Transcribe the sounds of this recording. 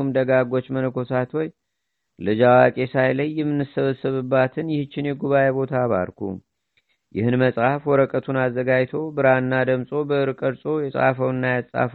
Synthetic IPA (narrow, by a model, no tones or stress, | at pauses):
md̪əɡaɡo̞t͡ʃːmənəkʰo̞sat̪woj | lɨd͡ʒawakʼe̞sajləjːɛmːɨnːɨsːəβəsːɨβɨbːat̪ʰɨnjɪhɨt͡ʃːɪnjɛɡuβajebo̞t̪ʰaβa̰ɾkʰṵ | jɪ̰hɨnməsʼhafwɔɾəkʼət̪ʰunazːəɡajt̪ʰo̞bɨɾaɨnːad̪əmsʼo̞bəɨɾɨkʼəɾsʼo̞jɛsʼa̰fəwɨnːajasʼa̰f